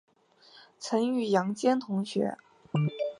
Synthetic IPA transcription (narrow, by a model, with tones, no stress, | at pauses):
t͡sʰə˧˥ŋy˥˩jɑ˧˥ŋt͡ɕjɛ˥nt̪ʰʊ˧˥ŋɕɥɛ̰˧˥